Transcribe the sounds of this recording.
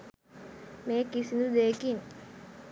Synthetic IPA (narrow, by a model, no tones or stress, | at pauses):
meːkisinud̪eːkin